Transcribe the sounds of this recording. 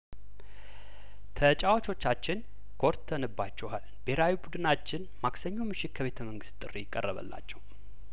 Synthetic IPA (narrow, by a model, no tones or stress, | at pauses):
t̪ʰət͡ʃʼawat͡ʃʰo̞t͡ʃːat͡ʃːɪn | kʰo̞ɾt̪ʰːənɨbːat͡ʃːɛhal | b̥eɾawibud̪ɨnat͡ʃːɪn | maksəɲːɛwmɨʃɪt̪̚kʰəβe̞t̪ʰəməŋɡɨst̪ʼɨrːijɪkʼːə̰rːəβə̰lːa̰t͡ʃːɛw